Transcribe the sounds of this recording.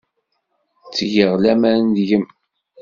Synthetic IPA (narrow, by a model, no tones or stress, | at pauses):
t͡sːjəʁlæmænd̪ʝəm